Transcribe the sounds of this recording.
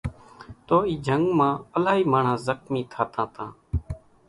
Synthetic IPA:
t̪oːiːd͡ʒʱəŋɡmãːəlaːɦiːmaːɳ̤ãːzəxmiːt̪ʰaːt̪ãːt̪ãː

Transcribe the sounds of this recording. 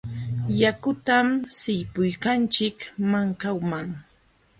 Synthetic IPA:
jakʊt̪amsɪjpʊjkant͡ʃɪkmaŋkawmaŋ

